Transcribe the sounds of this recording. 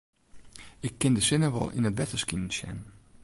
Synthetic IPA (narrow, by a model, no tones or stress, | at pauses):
ɪkʰːɪndəsɪnəʋɔ̰lˠḭnətʋɛtəskin̩sjɛ̰n